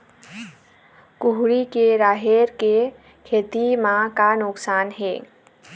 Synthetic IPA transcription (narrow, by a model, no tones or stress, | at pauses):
kuɦɽikeɾaːɦeɾke | kʰeːt̪imãkanʊksaːnɦe